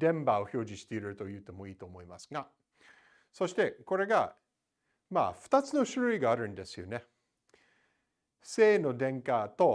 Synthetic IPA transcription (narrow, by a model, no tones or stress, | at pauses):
d̪̥ẽ̞mbao̞ço̞ːd͡ʑĩɕi̥t̪e̞iɾɯ̟t̪o̞jɯ̟ːt̪e̞mo̞iːt̪o̞ːmo̞imasɨ̥ɡa | so̞ɕi̥t̪e̞ko̞ɾe̞ɡa | ma̰ːɸɯ̟̥t̪at͡sɨnoɕɨɾɯ̟iɡaːɾɯ̟̃nd̪e̞sɨjo̞ne | se̞ːno̞d̪ẽ̞ŋkat̪o̞